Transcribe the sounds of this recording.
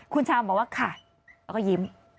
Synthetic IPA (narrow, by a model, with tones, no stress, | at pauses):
kʰu˧nt͡ɕʰaː˧bɔː˨˩k̚waː˥˧˩kʰa˨˩ | lɛː˧˦kɔ˥˩ji˨˦m